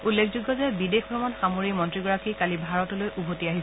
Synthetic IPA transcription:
ulːekʰzuɡːɔzɛbidexbɹɔmɔnxamoɹimɔntɹiɡɔɹakʰikalibʱaɹɔtɔlojʔubʱotiaɦisɛ

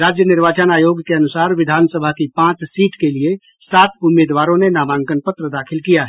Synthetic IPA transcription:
ɾaːd͡ʒjənɪɾʋaːt͡ʃənaːjoːɡkeənʊsaːɾʋɪd̪ʱaːnsəbʱakipãːt͡ʃsiːʈkelie | saːt̪ʰʊmeːd̪ʋaːɾõnenaːmãːŋkənpət̪ɾəd̪aːkʰɪlkijaɦɛ

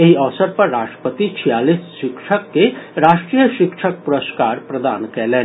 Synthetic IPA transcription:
ɐɦiɐʋsəɾpɐɾːaːʃʈɾəpət̪it͡ʃʰijaːliːsʃɪkʃəkːeɾaːʃʈɾijəʃɪkʃək̚puɾəskaːɾpɾɐd̪aːnkɛːlẽːn

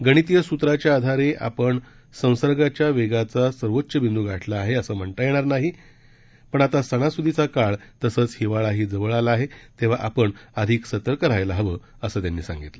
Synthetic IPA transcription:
ɡəɽ̃it̪ijəsut̪ɾat͡ɕjaːd̪ʱaɾeʔa̰pəɳ | sə̃w̃səɾɡat͡ɕjaʋeɡat͡sasəɾʋotːɕəbʱind̪ʱuɡʱaʈʰlaːɦeəsəːm̤əɳʈ̪əjeɽ̃aɾnaɦi | pəɳat̪asəɽ̃asud̪ʱit͡sakaɭt̪əsəːt͡shiʋaɭaɦiːd͡zəʋəɭalaaɦet̪eʋ̤aʔapəɳəd̪ʱiːksət̪əɾkəɾajlaɦəʋə | əsəːt̪janːiːsã̰ŋɡit̪lə

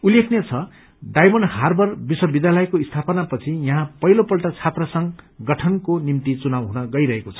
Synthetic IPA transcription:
ulekʰnet͡sʰʌ | ɖajmʌnharbʱʌrbiswʌbid̪jalʌjkoist̪ʰapʌnapʌt͡sʰijʌɦãpʌɦilopʌlʈʌt͡sʰat̪rʌsʌŋɡʌʈʰʌnkonimt̪it͡sunabɦunʌɡʌjɾʌɦekot͡sʰʌ̥

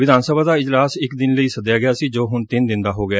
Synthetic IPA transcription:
ʋɪd̪aːnsəbaːd̪aːɪd͡ʒlaːsɪkd̪ɪnləiːsəd̪jaːɡɪjaːsiːd͡ʒoːɦʊnt̪ɪnd̪ɪnd̪aːɦoːɡɪaː

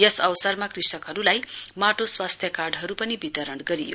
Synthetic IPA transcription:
jʌsʌwsʌrmakrisʌkɦʌɾulajmaʈoswast̪ʰjʌkarɖɦʌɾupʌnibit̪ʌɾʌɳɡʌɾijo̰

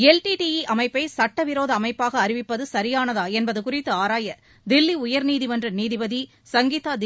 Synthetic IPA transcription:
ɛlʈiʈijiʔɐmɐɪpːɐɪsɐʈːɐʋɪɾoːðɐːmɐɪpːaːɣɐːɾɪʋɪpːɐðɯsɐɾɪjaːnɐðaːɛnbɐðɯkʊrɪt̪ːɯaːɾaːjɐ | d̪ɪlːiʊjɐɾniːðɪʋɐndrɐniːðɪʋɐði | sɐŋɡiːt̪aːd̪

